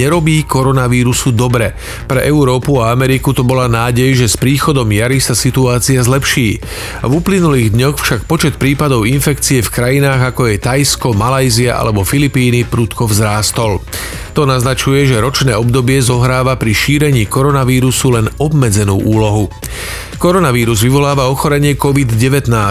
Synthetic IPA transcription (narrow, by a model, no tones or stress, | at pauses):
ɲɛɾɔbiːkɔɾɔnaʋiːɾusud̪ɔbɾɛ | pɾɛʔɛuɾɔːpuaamɛɾikut̪ɔbɔlaːnaːɟɛjʒɛspɾiːxɔd̪ɔmjaɾisasit̪uaːt͡siazlɛpʃiː | vuplinuliːɣd̪ɲɔxfʃak̚pɔt͡ʃɛt̪̚pɾiːpad̪ɔʊinfɛkt͡siɛfkɾajinaːɣakɔjɛt̪ajskɔmalajziaʔa̰lɛbɔfilipiːnipɾut̪kɔvzɾaːst̪ɔl | t̪ɔnaznat͡ʃujɛʒɛɾɔt͡ʃnɛːɔbd̪ɔbɪɛzɔɦɾaːʋapɾiʃiːɾɛɲiːkɔɾɔnaʋiːɾusulɛnɔbmɛd͡zɛnuːʔuːlɔɦu | kɔɾɔnaʋiːɾuzʋiʋɔlaːʋaɔxɔɾɛɲɪɛkɔʋid̪ɟɛʋɛt̪naː